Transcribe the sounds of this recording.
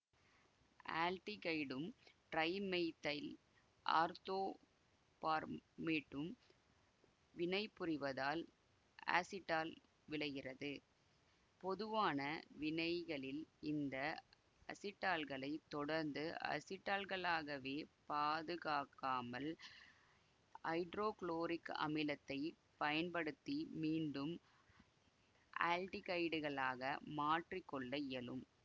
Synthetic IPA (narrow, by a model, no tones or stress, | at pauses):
ʔa̰ːlʈikɐɪɽɯmʈɾɐɪmɛɪt̪ːɐɪl | ʔa̰ːɾt̪oː | paːɾmeːʈːɯm | ʋɪnɐɪpːʊrɪʋɐðaːl | a̰ːsɪʈːaːl | ʋɪɭɐɣɪrɐðɯ | pɔðɯʋaːnɐʋɪnɐɪɣɐɭɪlɪnd̪ɐ | ɐ̰sɪʈːaːlɣɐɭɐɪt̪ːɔɽɐɾnd̪ɯʔɐ̰sɪʈːaːlɣɐɭaːɣɐʋeːpaːðɯɣaːkːaːmɐl | ɐɪɖɾoːkɭoːɾɪkɐ̰mɪlɐt̪ːɐɪ | pɐjɐnpɐɽɯt̪ːimiːɳɖɯm | ʔa̰ːlʈɪkɐɪɖɯɣɐɭaːɣɐmaːʈrɪkːɔɭːɐɪɐlɯm